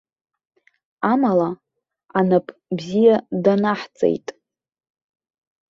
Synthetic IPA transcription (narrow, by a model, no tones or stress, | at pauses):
amala | anapʰʼbzijadanaħt͡sʼḛjtʼ